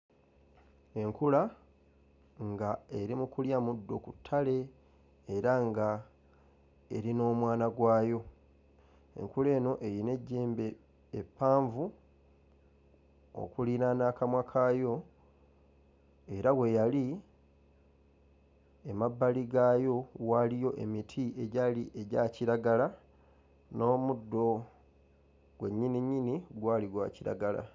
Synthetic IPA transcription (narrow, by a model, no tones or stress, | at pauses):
e̞ŋkula | ŋɡae̞ɾimukuljamudːo̞kutʰːale̞ː | ɾaŋɡa | e̞̰ɾino̞ːmwaːnaɡwaːjo̞ | e̞̰ŋkule̞ːno̞ʔe̞jine̞ɟːeːmbe̞ː | pːaːɱvu | o̰kulinanaːkamwakʰaːjo̞ | e̞ɾawe̞jali | emabːaliɡaːjo̞walijo̞ʔe̞̰mitʰie̞ɟaliʔeɟaːciɾaɡala | no̞ːmudːo̞ | ɡwe̞ɲːiniɲːiniɡwaːliɡwa̰ːciɾa̰ɡala̰